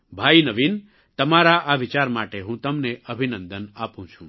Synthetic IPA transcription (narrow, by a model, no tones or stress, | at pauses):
bʱainəʋin | t̪əmaɾaʔaʋɪt͡ʃaɾmaʈeɦũt̪əmneʔəbʱinə̃nd̪ənapũt͡ʃʰṵ̃